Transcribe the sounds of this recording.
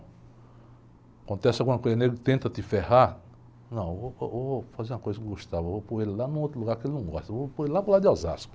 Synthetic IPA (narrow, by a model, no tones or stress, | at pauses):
kõnt̪ɛsɪaɡũmɐkojzɐneɡɾʊt̪ẽnt̪ɐt̪ɪfeha | nɐ̃w̃evoovofazeɾũɐkojzɐkeɡoʃt̪avɐvopõelɪlanũot̪ɾʊluɡaɾkɪelɪnɐ̃w̃ɡɔʃt̪ɐvopõellapɾolad̪ɪɔza̰skʊ̥